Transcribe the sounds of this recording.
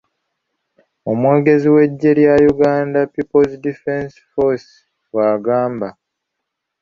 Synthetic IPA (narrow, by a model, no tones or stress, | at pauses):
o̞mwe̞ːɡe̞ziwe̞ɟːe̞ɾjajuɡaːndapipolzdifensfos | waːɡaːmba